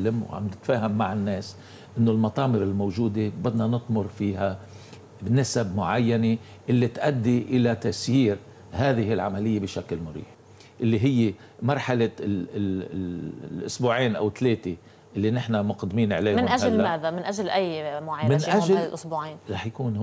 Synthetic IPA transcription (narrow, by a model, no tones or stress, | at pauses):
lːamwʕa̰mbnɪt̪faːɦamːaʕɪnːeːs | ʔɪnːolmɑt̪ˤɑːmɪɾɪlmowʒuːd̪ebɪd̪nanɨt̪ˤmʊɾfiːɦa | bɪnɪsabmʊʕajːane | ʔɪlːit̪ʔad̪ːiʔɪlat̪aʔsjiːɾ | ɦaːðɪɦɪlʕamalɪjːabɪʃaklmʊɾḭːħ | ʔɪlːiɦɪjːe | mɑɾˤħala | ʔʊsbuːʕiːnʔa̰wɪt̪ːleːt̪e | ʔɪlːinɪħnamʊqd̪miːnʕleːmɪnʔaʒalːmaːðamɪnʔaʒlʔajːmʊʕajmɪnʔalʔʊsbuːʕiːnɾˤɑħjakuːn